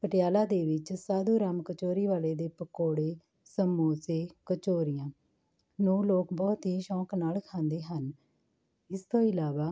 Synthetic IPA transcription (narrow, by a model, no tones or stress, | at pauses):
pəʈɪjaːlaːd̪eːʋɪt͡ʃsaːd̪uːɾaːmkət͡ʃoːɾiːʋaːleːd̪eːpəkoːɽeː | səmːuːseːkət͡ʃoːɾɪjãː | nũːloːkbɔːt̪ɦiːʃɔ̃ːknaːlkʰãːnd̪eːɦən | ɪst̪õːɪlaːʋaː